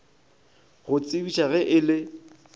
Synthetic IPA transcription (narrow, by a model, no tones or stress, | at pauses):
ɣʊt͡sʼɪbiʃaɣɛʔɪlɪ